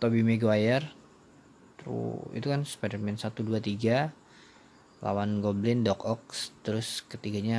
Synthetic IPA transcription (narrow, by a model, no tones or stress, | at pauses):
t̪obimeɡoajɛr | t̪ɾṵḭt̪ukansə̥padərmɛnsat̪uduat̪iɡa | lʔa̰wanɡoblɪndɔkɔkst̪əɾʊskət̪iɡaɲa